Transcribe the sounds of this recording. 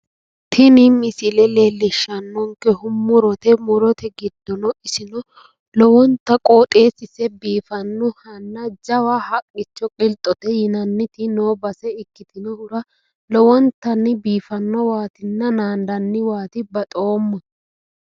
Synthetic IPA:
t̪ʰɪnɪmɪsɪlɛle̞ːlːɪʃːɐnːɔŋkɛhʊmːʊɾɔt̪ɛmʊɾɔt̪ɛɡɪd̪̥ːɔnɔɪsɪnɔ | lɔwɔnt̪ːɐkʼoːt̪ʼe̞ːsɪsɛbiːfɐnːɔhɐnːɐd͡ʒɐwahɐkʼːɪt͡ʃːɔkʼɪlt̪ʼːɔt̪ɛjɪnɐnːɪt̪ɪno̞ːbɐsɛɪkːɪt̪ɪnɔhʊɾɐ | lɔwɔnt̪ːɐnːɪbiːfɐnːɔwaːt̪ɪnːɐnaːnd̪ɐnːɪwaːt̪ɪbɐt̪ʼo̞ːmːɐ

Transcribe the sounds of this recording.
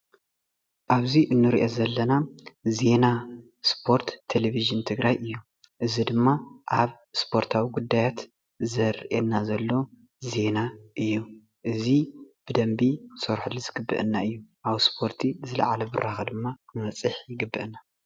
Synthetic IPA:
ʔaβziʔɨnːɨɾiʔozɐlːɐnaze̞na | spʰo̞ɾt̪ʰːeleβiʒɨnt̪ʰɨɡɾajʔɨjːu | ʔɨzid̪ɨmːaʔaβ | spʰo̞ɾt̪ʰawiɡud̪ːajat̪ | zɐɾʔenːazɐlːo | ze̞naʔɨjːu | ʔɨzib̥ɨd̪ɐmbisoɾħulizɨɡɨbːɨ̰ʔɨnːaʔɨjːuʔaβspʰo̞ɾt̪ʰizɨlɐ̰ʕalɐbɨ̰rʔaxɐd̪ɨmːaɨmɐt͡sʼɨħjɪɡɨbːɨʔna

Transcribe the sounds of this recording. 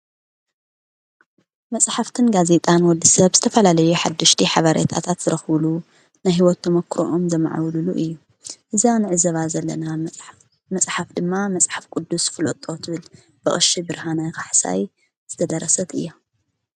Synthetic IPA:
mɐsʼħaft̪ʰɨnɡaze̞t̪ʼanwɔd̪ːisɐβzɨt̪ʰɐfɐlalɐjuħad̪ːɐʃt̪ʰiħaβaɾḛt̪ʰa̰t̪ʰat̪z̥ɨɾɐxβlu | najɦiwɔt̪ːɐmɐkʰːɾo̰ʔomzɐma̰ʕa̰wluluʔɨjːu | ʔɨzanɨʕɨzɐβazɐlːɐna | mɐsʼħafd̪ɨmːamɐsʼħafkʼud̪ːusfɨlot̪ʼo̞t̪ʰɨβɨl | bɨχʼɨʃibɨɾhanajkʰaħsa̰j | z̥ɨt̪ʰɐd̪ɐɾɐsɐt̪ɨ̰jːa

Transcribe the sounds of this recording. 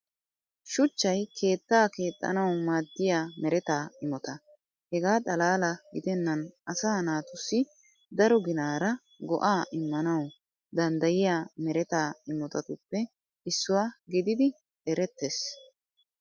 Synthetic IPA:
ʃʊt͡ʃːɐjkʰe̞ːt̪ːaːke̞ːt̪ʼːɐ̰nɐwmaːd̪ːɪjaːmɛɾɛt̪aːɪmɔt̪ɐ | hɛɡaːt̪ʼɐlaːlɐɡɪd̪ɛnːɐnʔɐsaːnaːt̪ʊsːɪ | d̪ɐɾɔɡɪnaːɾɐ | ɡɔ̰ʔaːʔɪmːɐnɐw | d̪ɐnd̪ɐjɪjaːmɛɾɛt̪aːɪmɔt̪ɐt̪ʊpːɛ | ʔɪsːʊwaːɡɪd̪ɪd̪ɪ | ɛɾɛt̪ːes

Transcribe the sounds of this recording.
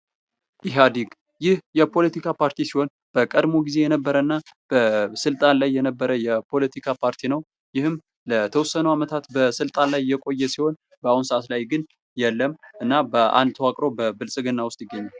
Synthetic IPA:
ʔɪɦad̪iɡ | jɪhjɛpʰo̞lət̪ikʰapʰaɾt̪ʰisiho̞n | b̥əkʼəd̪mo̞ɡize̞jɛnəbːəɾəɨnːab̥əsɨlt̪ʼanlajːɛnəbːəɾəjɛpʰo̞lət̪ʰikʰapʰaɾt̪ʰinəw | jɪhɨm | lət̪ʰəwʊsːənəwamət̪ʰat̪bəsɨlt̪ʼanlajːɛkʼo̞jːɛsiho̞n | bəahunsəat̪lajɡɨn | jɛlːəmʔɨnːabəʔa̰nd̪t̪ʰəwakʼɾo̞bəbɨlsʼɨɡɨnːawʊst̪ʼjɪɡːəɲːal

